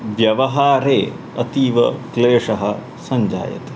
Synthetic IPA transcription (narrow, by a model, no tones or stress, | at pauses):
ʋjɐʋɐɦaːɾeː | ɐt̪iːʋɐkleːʂɐɦɐ̆ | sɐɲd͡ʒa̰ːjɐ̰t̪e̥